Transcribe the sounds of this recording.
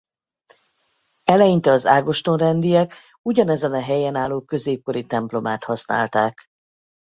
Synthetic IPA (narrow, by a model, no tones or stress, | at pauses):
ɛlɛjint̪ɛɒzaːɡo̞ʃt̪onrɛnd̪ijɛk | uɟɒnɛzɛnɒɦɛjɛnaːlːoːkø̞zeːp̚ko̞ɾit̪ɛmplo̞maːt̪hɒsna̰ːlt̪aːk